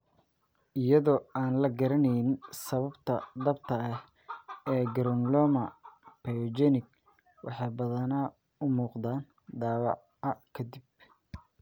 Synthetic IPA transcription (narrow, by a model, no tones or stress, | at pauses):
ʔɪjɐðɔːaːnlɐɡɐɾɐnɛjɪnsɐβɐbt̪ʰɐd̪ɐb̚t̪ʰɐɐh | ɛːɡɐɾɔŋlɔːmɐpʰɛjd͡ʒɛnɪɡ̚ | wʔɑ̰ħɑjbɐðɐna | ʊmuːqd̪aːn | d̪aːwɑ̰ʕ | ɐkʰɐd̪ib